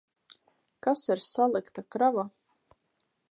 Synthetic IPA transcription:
kasiɾsalˠikt̪akɾava

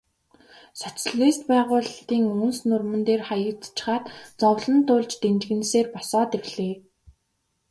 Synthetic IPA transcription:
sɔt͡sɮist̪pæːʁʊːɮt̪iːŋɵnsnʊrmɵ̆nt̪eːrχajə̥̆t͡st͡ɕ̆χaːt̪t͡sɔwɮə̆nt̪ʊːɮt͡ɕt̪ent͡ɕɣɘ̆nseːrpɔsɔːt̪ewɮeː

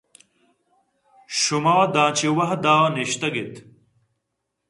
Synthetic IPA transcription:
ɕumaːd̪ãːt͡ɕiwɐɦd̪aːniɕt̪ɐɡet̪

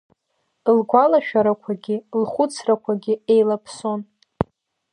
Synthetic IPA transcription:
lɡʷalaʃᶣaɾakʷʰaɡʲɪlχʷʊt͡sʰrakʷʰaɡʲɪe̞jlapʰso̞n

